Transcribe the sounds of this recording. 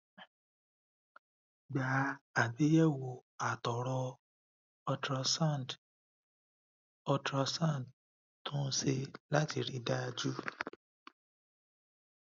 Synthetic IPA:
ɡ͡ba˨˦a˨be˨˦jɛ˦˨wo˨a˨tɔ˨ɾɔ˧ | ɔ˧tɾa˧sa˦˨d | ɔ˧tɾa˧sã˦˨d | tũ˦se˧la˦ti˧˨ɾi˧˦da˦˧d͡ʒu˦

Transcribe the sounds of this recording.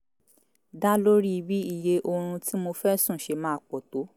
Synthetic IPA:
da˦lo˦ɾi˦˧bi˨˦i˦˨je˧ʔo˧ɾ̃ũ˧ti˦mo˧fɛ˦sũ˦˨ʃe˧mãː˦˨k͡pɔ˨to˨˦

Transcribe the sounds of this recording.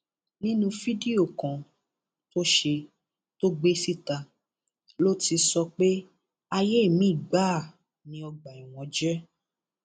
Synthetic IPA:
nĩ˦nũ˧˦fi˦di˦o˦˨kã˨ | to˦ʃe˧ | to˦ɡ͡be˦si˦ta˧ | lo˦ti˧sɔ˧k͡pe˦ | a˧je˦e˦˨mĩ˨˦i˦˨ɡ͡ba˦˨ | nĩ˦ɔ˧ɡ͡ba˨i˨w̃ɔ̃˨˧d͡ʒɛ˦

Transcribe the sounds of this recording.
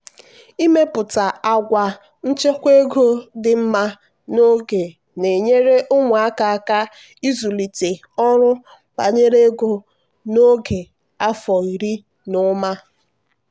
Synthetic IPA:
i˦me˦pʊ˨ta˨a˨ɡʷa˨ | n̩˦t͡ʃe˦kʷe˦ɡo˦dɪ˨m̩˦ma˦ | no˦ɡe˨ | ne˨ɲe˦ɾe˦ʔʊ˦ŋʷʊ˨a˦ka˨a˨ka˦ | i˦zu˨li˨te˨ | ɔ˦ɾʊ˦ | ba̰˨ɲe˦ɾe˦ɡo˨ | no˦ɡe˨ | a˦fɔ˨i˨ɾi˦ | nʊ˦ma˦

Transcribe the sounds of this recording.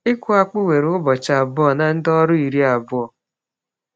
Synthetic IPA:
ɪ˦kʊ˦a˦k͡pʊ˦we˨ɾʊ˦bɔ˨t͡ʃa˨a˨bʊ˦ɔ˨na˨n̩˦dɔ˦ɾʊ˦i˨ɾi˦a˨bʊ˦ɔ˨

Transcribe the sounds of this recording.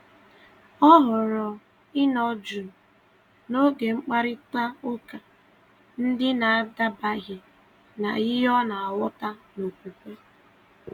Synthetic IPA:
ɔ˦ɦʊ˨ɾɔ˨ | ɪ˦nɔ˦d͡ʒu˨ | no˦ɡe˨ŋ͡m̩˦k͡pa˦ɾɪ˦ta˦ʊ˦ka˨ | n̩˦dɪ˦na˨a˦da˦ba˦ɦe˨ | na̰˨ɪ˦ɦɔ˦na˨a˨wɔ˦ta˦no˨kʷu˨kʷe˦

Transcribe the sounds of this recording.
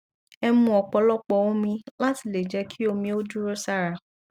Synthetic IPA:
ɛ˧mũ˧ɔ˨k͡pɔ˧lɔ˦k͡pɔ˧˨wɔ̃˦mĩ˧la˦ti˧˨le˨d͡ʒɛ˧˦kʰi˦o˧mĩ˧o˦du˦ɾo˦sa˧ɾa˨

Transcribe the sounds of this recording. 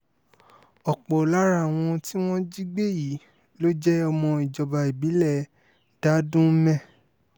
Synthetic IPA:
ɔ˨k͡pɔ˨la˦ɾa˦˨w̃ɔ̃˧ti˦w̃ɔ̃˦d͡ʒi˦ɡ͡be˦˨ji˨˦ | lo˦d͡ʒɛ˦ɔ˧mɔ̃˧i˨d͡ʒɔ˨ba˧i˨bi˨˦lɛ˦˨ | d̥a˦dũ˦mɛ̃˦˨

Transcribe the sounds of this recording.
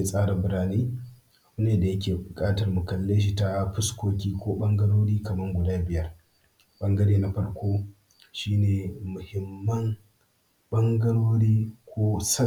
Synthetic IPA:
e˨sʼaː˦ɽa˨bʊ˨ɾaː˦niː˦˨ | ʊ˦neː˨da˨jɐ˦kʲeː˨bʊ˨kʼaː˦tɐ˨rmʊ˨kɐ˨lːɐ˦ʃ̬iː˦ta˦ɸʊ˦skʷoː˦kʲiː˦kʷoː˦ɓɐ˦ŋɡɐ˦ɽoː˦ɽiː˦kɐ˨mɐ˦ŋɡʷʊ˨daː˦bɪ˨jɐ˦r | ɓɐ˦ŋɡɐ˦ɽeː˦na˦ɸɐ˦ɾkʷoː˦ | ʃiː˦neː˨mʊ˨hɪ˦mːɐ˦n | ɓɐ˦ŋɡɐ˦ɽoː˦ɽiː˦kʷoː˦sɐ˦

